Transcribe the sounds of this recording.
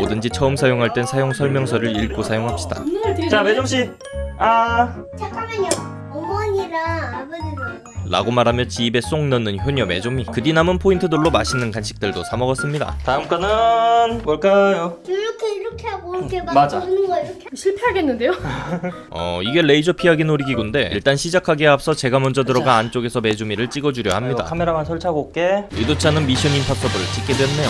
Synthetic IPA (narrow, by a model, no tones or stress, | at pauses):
odɯnd͡ʑit͡ɕʰʌɯmsʰajoŋɦaɭt͈e̞nsʰajoŋsʰʌɭmjʌŋsʰʌɾɯɭiɭk͈osʰajoŋɦap̚ɕ͈ida̰t͡ɕamed͡ʑomɕ͈i | a | t͡ɕakʰameɲʌ | ʌmʌɲiɾaːbɯnɯn | ɾa̰ɡomaɾɦamjʌnt͡ɕibe̞s͈oŋnʌnːɯnçjoɲʌme̞d͡ʑomikɯdinamɯnpʰointʰɯdɯɭːomaɕʰinɯnkanɕʰi̥k̚t͈ɯɭdosʰamʌɡʌs͈ɯmɲida̰taɯmkwanɯnmʌɭk͈ajoɾʌkʰeiɾʌkʰeɦaɡokʰemad͡ʑanɡ | ɕʰiɭpʰe̞ɦaɡe̞nːɯndejo | ʌ̰iɡe̞ɭe̞id͡ʑʌpʰiɦaɡenoɾiɡiɡunde̞ḭɭt͈anɕʰid͡ʑakʰaɡeap̚s͈ʌt͡ɕe̞ɡamʌnd͡ʑʌdɯɾʌɡaːnt͡ɕ͈oɡe̞sʰʌme̞d͡ʑomiɾɯɭt͡ɕ͈iɡʌd͡ʑuɾjʌ̰hamɲida̰kʰame̞ɾamansʰʌɭt͡ɕʰaɡok͈e̞idot͡ɕʰanɯnmiɕʰjʌminpʰas͈ʌbɯɯɭt͡ɕ͈ik͈e̞dwenːejo